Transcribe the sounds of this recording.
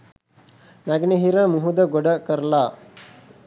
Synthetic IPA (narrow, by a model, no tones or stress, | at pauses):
naɡneɦiɾɐmuɦud̪ɐɡɔɽɐkɐɾla